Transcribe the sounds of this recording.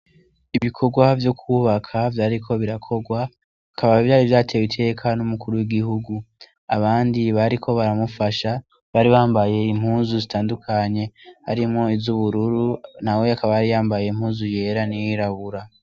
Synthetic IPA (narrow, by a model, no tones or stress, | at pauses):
iβikʰo̞ɡwavjo̞kʰuβakʰavjaːɾikʰo̞βiɾakʰo̞ɡwa | akaβaivjaːɾivjaːtʰe̞witʰe̞ːkʰanumukuɾuwiɡiɦuɡu | aβaːndiβaɾikʰo̞βaɾamufaʃa | βaːɾiβaːmbaje̞im̥huːnzuzitaːndukʰaɲe̞ha̰ɾimŋo̞izuβuɾuɾunaweakaβaaɾijaːmbaje̞imhuːnzuje̞ɾanijiɾaβuɾa